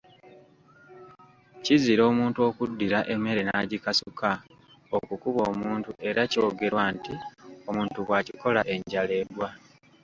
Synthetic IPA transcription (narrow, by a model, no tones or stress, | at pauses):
ciziɾo̞ːmuːntuo̞ːkudːiɾaʔe̞me̞ɾe̞naːɟikasuka | o̞kukuβo̞ːmuːntuʔe̞ɾaco̞ːɡe̞ɾwantio̞muːntuɣwaːciko̞laʔe̞ɲɟale̞ːdwa